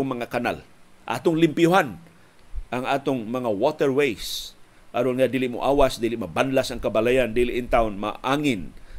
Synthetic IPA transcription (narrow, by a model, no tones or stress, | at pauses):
ŋmaŋakana̰lʔa̰t̪ʊŋlɪmpjʊɦan | ʔaŋaːt̪ʊŋmɐŋawot̪ɛɹwejs | ʔaɾonŋad̪ilɪʔmo̰ʔawasd̪ilɪʔmabanlasaŋkabalajand̪ilɪʔɪnt̪aʊnma̰ʔaŋɪn